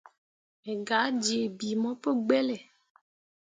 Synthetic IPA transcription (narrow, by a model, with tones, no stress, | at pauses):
e˨ɡa˨˦d͡ʒi˨e˨bi˨mɔ̃˦pe˦ɡ͡be˦le˨